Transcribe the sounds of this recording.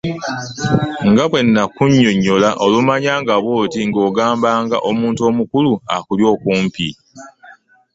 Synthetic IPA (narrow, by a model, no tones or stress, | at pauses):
ŋɡaβwe̞nːakuɲːoɲːolaʔo̞lumaɲaːŋɡaβwoːtiŋɡo̞ːɡaːmbaːŋɡa̰ʔomuːntuo̞ːmukuluakuljo̞ːkuːmpi